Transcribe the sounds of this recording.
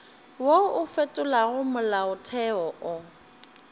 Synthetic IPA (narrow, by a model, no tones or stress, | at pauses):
woʊfetʼʊlaɣʊmʊlaʊtʰɛɔʔʊ